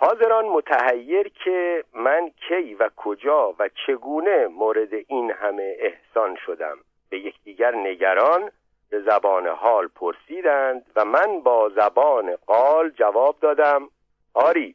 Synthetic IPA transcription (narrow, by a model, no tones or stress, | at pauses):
hɒːze̞ɾɒːnmo̞t̪ʰæhæjːe̞ɾcʰe̞mæncʰe̞jvækʰod͡ʒɒːvæt͡ʃʰe̞ɡuːne̞moːɾe̞d̪e̞ʔinhæme̞ːhsɒːnʃo̞d̪æ̰m | b̥e̞je̞cʰd̪̥iːɟæɾne̞ɟæɾɒːn | be̞zæbɒːnḛɦɒːlpʰoɾsiːd̪ænd̪væmænbɒːzæbɒːneɢ̥ɒːld͡ʒævɒːb̚d̪ɒːd̪æm | ɒːɾiː